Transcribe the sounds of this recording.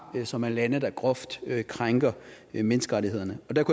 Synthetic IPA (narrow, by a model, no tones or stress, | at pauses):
sɒ̽mænlænəd̥æɡ̥ʁɔfd̥kʰʁaŋɡ̥ɐ | menəsɡ̥əʁɑɾihe̝ð̞̰ˠɐnəɒ̽d̥ækʰu